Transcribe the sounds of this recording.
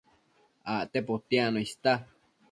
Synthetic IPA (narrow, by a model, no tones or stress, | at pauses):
aʔt̪epot̪ianõist̪a